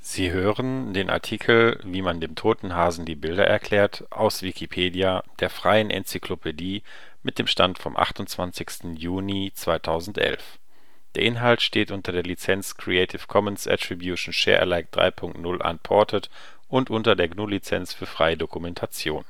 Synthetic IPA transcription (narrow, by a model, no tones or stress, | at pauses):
z̥iːɦøːʁəndeːnʔa̰ɐtʰikʰl̩viːmandeːmtʰoːtn̩ɦaːzn̩diːbɪldɐ̰ʔɛ̰ɐkʰl̥ɛːɐt | ʔa̰ʊsv̥ikʰipʰeːdiad̥eːɐfʁ̥aɪənʔɛ̰nt͡sikl̥opʰediː | mɪt̚d̥eːmʃtantfɔmʔa̰χtʊnt͡sv̥ant͡sɪçstn̩juːnit͡sv̥aɪtʰaʊzn̩tʔɛ̰lf | d̥eːɐʔɪnɦaltʃteːtʔʊntɐdeːɐlit͡sɛnt͡skʁ̥ieɪtʰɪfkʰɔmənsʔɛ̰tʁ̥ibjuʃn̩ʃɛ̰ːɐʔɛ̰laɪk̚d̥ʁa̰ɪpʰʊŋk̚tnʊlʔa̰npʰɔɐtʰət | ʔʊntʔʊntɐdeːɐɡnuːlit͡sɛ̰nt͡sfyːɐfʁ̥aɪədokumɛntʰat͡sjoːn